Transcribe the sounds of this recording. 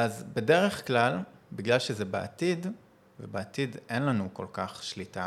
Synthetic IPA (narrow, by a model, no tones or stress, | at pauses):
azbe̞de̞ʁeχklalbiɡlalʃezebeʔa̰t̪id | vebeat̪idenlanuko̞lkaχʃlita